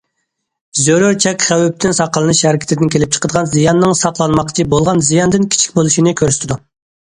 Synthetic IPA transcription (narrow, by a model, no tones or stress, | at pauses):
zøɾøɾt͡ʃʰɛkʲχæwyp̚t̪ʰɪnsɑqəlˠɨnɨʃhæɾɪkʲʰɪt̪ɪd̪ɪnkʲʰelɪp̚t͡ʃʰə̥qʰəd̪əʁɑnzijɑnːɨŋsɑqlˠɑnmɑqt͡ʃʰibolˠʁɑnzijɑnd̪ɨnkʲʰi̥t͡ʃʰi̥kʲbolˠuʃinɨkʲʰøɾsɪ̥t̪ʰɪd̪u